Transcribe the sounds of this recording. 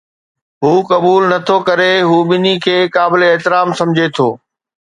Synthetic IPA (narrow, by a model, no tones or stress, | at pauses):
ɦuːkɐɓuːlnɐt̪ʰokɐɾeɦuːɓɪnikʰeːkaːbɪleːɦt̪ɪɾaːmsɐ̃md͡ʑʱet̪ʰo̰ː